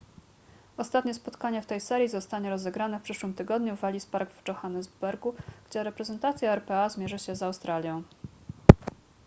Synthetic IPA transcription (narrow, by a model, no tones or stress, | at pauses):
ɔst̪at̪ɲɛspɔt̪kaɲɛft̪ɛjsɛɾʲjizɔst̪aɲɛɾɔzɛɡɾanɛfpʂɘʂwɘmt̪ɘɡɔd̪ɲuvalʲispaɾɡvt͡ʂɔxanɛzbɛɾɡuɡ̥d͡ʑɛɾɛpɾɛzɛnt̪at̪sʲjaɛɾpɛazmʲjɛʐɘɕɛzawst̪ɾalʲjɔ̃w̃